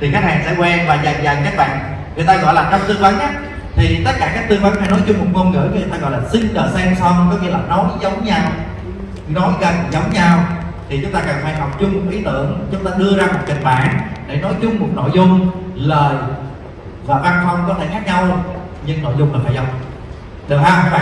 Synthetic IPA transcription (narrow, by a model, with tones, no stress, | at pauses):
t̪ʰi˨˩kaː˦˥k̚haː˨˩ŋsɛ̰˧˥kwɛ˧nvaː˨˩za˨˩jza˨˩jkaː˦˥k̚ɓa̰ː˧˨n | ŋɨ˨ət̪aː˧ɣɔ̰˧˨jlaː˨˩t͡ɕɔ˧wŋ͡msɨ˧əŋvə˨˦nɲa˦˥t̚ | t̪ʰi˨˩t̪ə˦˥t̚kaː˧˩kaː˦˥k̚t̪ɨ˧əŋva˨˧˦nfa˧˦nɔ˨˦jt͡ɕʊ˧ŋ͡mmo˨˩t̚ŋo˧nŋɨ̰˧˥˨t̪aː˧ɣɔ̰˧˨jlaː˨˩sï˧ŋ̟ɗəː˨˩sɛ˧msɔ˧ŋkɔ˨˦ŋi˧əlaː˨˩nɔ˨˦jzə˨˦wŋ͡mɲa˧w | nɔ˨˦jɣə˨˩nzə˨˦wŋ͡mɲa˧w | t̪ʰi˨˩t͡ɕʊ˦ŋ͡mt̪aː˧kaː˨˩ŋfa˧˩˦jɦa˨˩wk͡p̚t͡ɕʊ˧ŋ͡mmo˨˩t̚ʔi˨˦t̪ɨ̰˧˨əŋt͡ɕʊ˨˦ŋ͡mt̪aː˧ɗɨ˧əzaː˧mo˨˩t̚kï˨˩k̟̚ɓa̰ː˧˨nɗḛ˧˩nɔ˨˦jt͡ɕʊ˧ŋ͡mmo˨˩t̚no̰˧˨jzʊ˧ŋ͡mləː˨˩j | vaː˨˩va˧nfə˧wŋ͡mkɔ˨˦t̪ʰe˧˩ŋaː˦˥k̚ɲa˧w | ɲɨ˧ŋno̰˧˨jzʊ˧ŋ͡mhɨ˨˩faː˧˩jzə˨˦wŋ͡m | ɗɨ˨˩haː˧a˨˦k̚ɓa̰ː˧˨